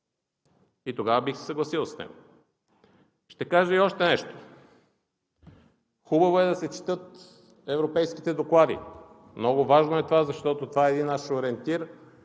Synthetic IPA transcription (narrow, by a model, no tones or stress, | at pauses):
it̪oɡavɐbixsɛ̥sɐɡlˠɐsilˠsnɛ̰ɡo | ʃt̪ɛkaʒəiɔʃt̪ɛnɛʃt̪o̥ | xubɐvoɛd̪ɐsɛt͡ʃi̥t̪ɤt̪ | ɛvɾopɛjski̥t̪ɛd̪oklˠad̪ḭ | mnɔɡovaʒnoɛt̪ovazɐʃt̪ɔt̪ot̪ovaɛːd̪inaʃoɾɛnt̪iɾ